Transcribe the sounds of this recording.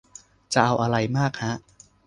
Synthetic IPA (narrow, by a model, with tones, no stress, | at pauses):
t͡ɕa˨˩ʔa˧wʔa˧ɾa˧jmaː˥˩k̚ha˦˥ʔ